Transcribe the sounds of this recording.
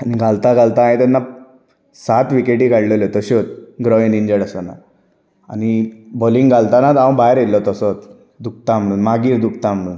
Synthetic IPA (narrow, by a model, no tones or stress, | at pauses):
aniɡʱalt̪aɡalt̪aĩt̪ənːa | sat̪ʋikeʈikaɽlelɔt̪əɕɔt̪ɡɾɔʋiniɲd͡ʑəɽəsɔna̰ | a̰niboliŋɡɡʱalt̪anat̪aə̃bajɾelːɔt̪əsɔt̪ | d̪uk̚t̪am̤əɽuːnmaɡiːɾd̪uk̚t̪am̤əɽ̃uːn